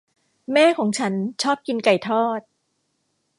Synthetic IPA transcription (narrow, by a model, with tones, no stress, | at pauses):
mɛː˥˩kʰɔː˩˦ŋt͡ɕʰa˦˥nt͡ɕʰɔː˥˩p̚ki˧nka˨˩jt̪ʰɔː˥˩t̪̚